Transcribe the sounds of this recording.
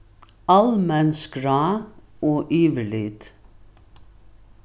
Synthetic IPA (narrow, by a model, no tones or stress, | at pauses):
ɑlmɛnskɾɑːoːʔyːʋəlɪt̪